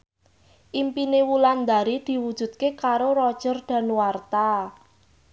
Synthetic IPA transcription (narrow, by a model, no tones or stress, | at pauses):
ʔimpinewuland̪aɾid̪̥i̤wud̥ʒ̥ṳd̪̚kekaɾorɔd̥ʒ̥ərd̪̥ä̤nuwart̪a